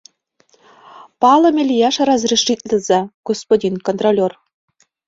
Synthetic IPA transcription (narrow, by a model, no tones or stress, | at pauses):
pɑlˠɤ̆mʲelʲijɑʃɑɾɑzriʃit̪̚ʼlʲɘ̆zɑɡ̥ospodʲinkont̪rolʲor